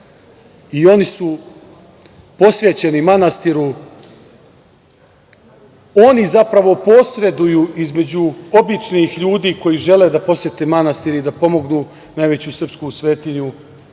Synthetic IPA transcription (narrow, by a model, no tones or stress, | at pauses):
io̞nisu | po̞sʋe̞t͡ɕe̞nimanast̪iɾu | o̞nizapɾaʋo̞po̞sɾe̞d̪ujuːizme̞d͡ʑuo̞bit͡ʂnixʎuːd̪iːko̞jiʒe̞le̞d̪apo̞sjʲe̞t̪emanast̪iɾid̪apo̞mo̞ɡnuː | najʋe̞t͡ɕusr̩pskusʋe̞ːt̪iɲu